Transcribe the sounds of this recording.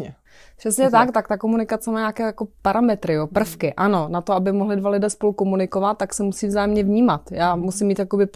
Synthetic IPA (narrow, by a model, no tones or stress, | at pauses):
ɛ | pr̥ɛsɲɛt̪ak̚t̪ak̚t̪akomunɪkat͡sɛmaːjɲaːkɛːjako̞paɾamɛt̪ɾɪjopr̩fkɪʔano̞nat̪oabɪmoɦlɪdvalɪdɛːspo̞lukomunɪkovat̪ːaksɛmusiːvzaːjɛmɲɛvɲiːmat̪jaːmusɪmːiːt̪jako̞bɪ